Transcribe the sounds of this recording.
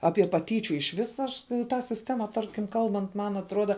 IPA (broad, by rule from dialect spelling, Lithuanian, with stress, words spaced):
ˈɑːpʲiɛ pɐˈtʲiːt͡ʃʲʊ ɪʃ ˈʋʲɪs ˈɐʃ ˈtɑː sʲɪsʲˈtʲæːmɐ ˈtɐrʲkʲɪm ˈkɐlˠbɐnt ˈmɐn ɐtˈruɔdɐ